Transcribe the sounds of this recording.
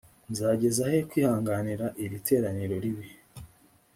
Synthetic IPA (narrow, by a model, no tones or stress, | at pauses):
nzaːɟe̞zahe̞kwiːhaːŋɡaniɾaʔiɾite̞ːɾaniɾo̞ɾiβi